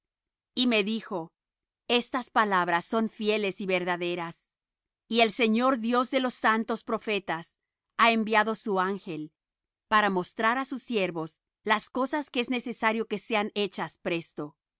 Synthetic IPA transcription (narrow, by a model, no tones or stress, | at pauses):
ime̞ðixo̞ | e̞st̪aspalaβɾasːo̞nfje̞le̞siβe̞ɾðaðe̞ɾas | ie̞lse̞ɲo̞ɾðjo̞zðe̞lo̞sːant̪o̞spɾo̞fe̞t̪as | aembjaðo̞suaŋxe̞l | paɾamo̞st̪ɾaɾasusːje̞ɾβo̞s | lasko̞saskeezne̞se̞saɾjo̞ke̞se̞ane̞t͡ʃaspɾe̞st̪o̞